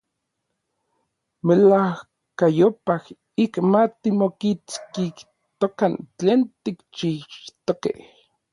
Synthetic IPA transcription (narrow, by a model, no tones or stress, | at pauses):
melah | kajopah | ikmat̪imokit͡skih | t̪okant͡ɬeːnt̪ikt͡ʃihʃt̪okḛh